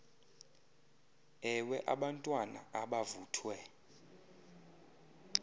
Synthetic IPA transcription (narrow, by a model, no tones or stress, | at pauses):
ɛwɛʔaɓantʼwana̰ʔaɓavuːtʰwɛ